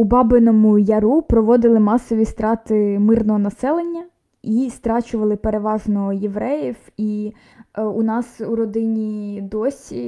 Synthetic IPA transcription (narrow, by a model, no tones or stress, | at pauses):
ubɑbɪnɔmʊjɐɾupɾɔʋɔd̪ɪlˠɪmɑsːɔʋʲist̪ɾɑt̪ɪmɪrnɔɦɔnɐsɛlˠenʲːɐ | ist̪ɾɑt͡ʃʊʋɐlˠɪpeɾeʋɑʒnɔjeʋɾɛjiwi | unɑsuɾɔd̪ɪnʲid̪ɔsʲi